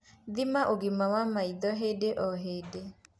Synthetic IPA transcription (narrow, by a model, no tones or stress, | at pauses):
ðimaʔoɡimawamaiðɔɦedeʔɔɦede